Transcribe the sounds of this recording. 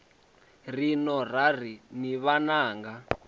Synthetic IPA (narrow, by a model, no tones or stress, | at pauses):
rinɔrar̤iniβanaːŋɡa